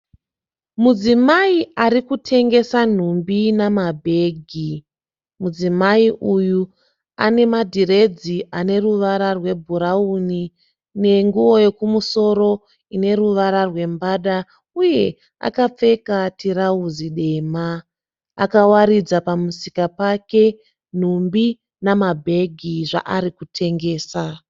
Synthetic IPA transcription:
mud͡zimaiaɾikutʰe̞ŋɡe̞san̤umbinamabʱe̞ːɡʱi | mud͡zimaiʔuju | a̰ne̞madʱire̞d͡ziʔane̞ruʋaɾarwe̞bʱuɾauni | ne̞ŋɡuʋo̞je̞kumuso̞ɾo̞ | ine̞ɾuʋaɾarwe̞mbaːɗa | uje̞ | a̰kap͡fe̞katiɾauziɗe̞ːma̰ː | kawaɾid͡zapamusikapake̞ | n̤umbi | namabʱe̞ɡʱiʐa̰ʔaɾikutʰe̞ŋɡe̞ːsa

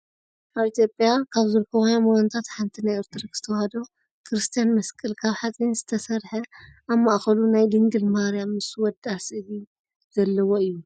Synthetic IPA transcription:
ʔaβit̪ʰjo̞pʼjakʰaβzɨɾkʰɐwjamɡant̪ʰat̪ħant̪ʰinajɨɾt̪ʰɨɾɐkz̥ɨ̥t̪ʰɐwhad̪o | kʰɨɾɨst̪ʰijanmɐskʼɨlkʰaβħat͡sʼinzɨt̪ʰɐsɐɾħɐʔaβmaʔxɐlunajd̪ɨŋɡɨlmaaɾijamːɨswɔd̪asɨβi | z̥ɐlːɐwo̞ɨjːu

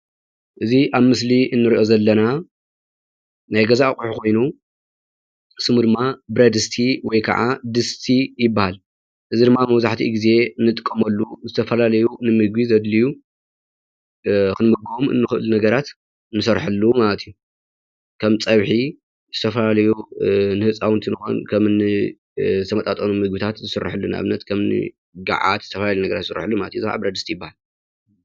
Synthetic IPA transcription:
ʔɨziʔaβmɨsliʔɨnːɨɾiʔo̞zɐlːɐna | najɡɐzaʔakʼuħukʰo̞jnu | sɨmud̪ɨmːabɾɐd̪ɨst̪ʰiwɔjkʰa̰ʕa̰d̪ɨst̪ʰijɪbːahal | ʔɨzid̪ɨmːamɐβzaħt̪ʰḭɡize̞ɨnːɨt̪ʼɨkʼːɐmɐlːuzɨt̪ʰɐfɐlalɐjunɨmɨɡizɐd̪liju | kɨnmɨɡomʔɨ̰nːɨxɨʔlnɐɡɐɾat̪ | ɨnːɨsɐɾħɨlːumalɐt̪ʰijːu | kʰɐmt͡sʼɐβħi | zɨt̪ʰɐfɐlalɐjunɨhɨt͡sʼawnt̪ʰinɨxo̰nkʰɐmnɨ | zɨt̪ʰɐmɐt̪ʼat̪ʼɐnumɨɡbit̪ʰat̪zɨsɨr̰ːħɨlːunʔa̰βnɐt̪kʰɐmnɨ̰ | ɡa̰ʕa̰t̪z̥ɨt̪ʰɐfɐlalejnɐɡɐɾat̪sɨɾħɨlːumalɐt̪ijuzɨa̰bɾɐd̪ɨst̪ʰijɪbːahal

